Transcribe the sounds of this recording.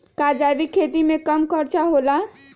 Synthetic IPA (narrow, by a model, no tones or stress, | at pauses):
kad͡ʒabikʰet̪imekəmkəɾt͡ʃaɦola